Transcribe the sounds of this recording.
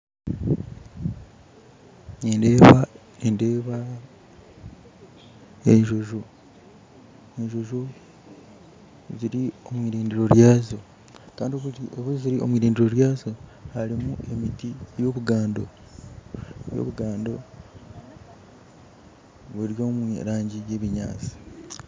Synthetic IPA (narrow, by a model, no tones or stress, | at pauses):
endeːβa | ende̞ːβa | eɲʒo̞ʒo̞ | eɲʒo̞ʒo̞ | ziɾio̞mwiːɾiːndiɾo̞ɾjaːzo̞ | kaːndioβuziɾio̞̰mwiːɾiːndiɾo̞ɾjaːzo̞haɾimue̞mitijo̞ːβuɡaːndo̰ | jo̰βuɡaːndo̞ | βuɾjo̞ːmwiɾaːɲɟije̞βiɲa̰ːt͡si̥